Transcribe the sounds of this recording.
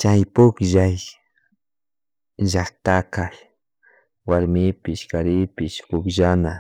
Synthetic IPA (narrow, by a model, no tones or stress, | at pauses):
t͡ʃajpʊkʒaj | ʒak̚t̪akaj | waɾmɪpɪʃkaɾɪpɪʃpʊkʒana